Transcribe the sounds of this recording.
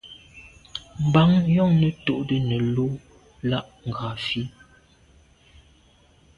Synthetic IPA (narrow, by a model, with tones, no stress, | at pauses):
m̩˨ba˨˦ŋjɔ˦˨ŋnə˨to˨ʔdə˨nə˨lo˦ | la˦ʔŋ̩˨ɡa˨fi˦